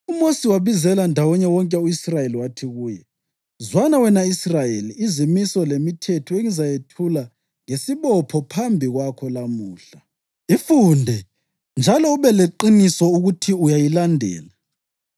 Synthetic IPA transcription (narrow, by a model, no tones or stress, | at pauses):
umosiwaβizɛlandʱawɔɲɛwɔŋkʼɛuisrajeliwatʰiɣuːjɛ | zwanawɛnaisrajeliːzimisɔlemitʰɛtʰɔeŋizajetʰula | ŋesiβɔpʰɔpʰambʱiɣwakʰɔlamuːɬa | ifundʱɛ | nd͡ʒʱalɔuβɛleǃinisɔuɣutʰiujajilandʱɛ̰ːla